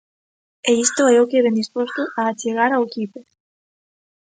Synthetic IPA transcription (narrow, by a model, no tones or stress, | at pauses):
eist̪oɛokeβend̪ispost̪oaːt͡ʃeɣ̞aɾawkipe